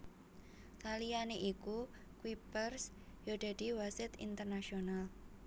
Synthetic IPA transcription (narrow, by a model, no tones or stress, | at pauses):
kalijaneʔiku | kwipərs | jod̪̥a̤d̥i̤wasɪt̪ḭnt̪ərnaʃional